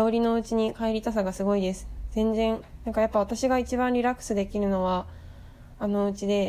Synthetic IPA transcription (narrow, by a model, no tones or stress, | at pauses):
aoɾʲino̞ɯt͡ɕiɲ̟ikaeɾʲit̪asaɡasɨɡo̞id̪e̞sɨ̥z̥ẽ̞nd͡zẽ̞nnãŋkajapːaβat̪aɕiɡait͡ɕibãɾʲiɾakːɯ̥sɨd̪e̞kʲiɾɯ̟no̞βaː | no̞ɯ̟t͡ɕid̪e̞